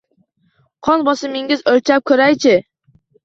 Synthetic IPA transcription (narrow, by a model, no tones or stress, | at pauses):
qʰɒnbɒsɪmɪŋɪzɵlt͡ʃʰap̚kʲʰɵɾajt͡ʃʰɪ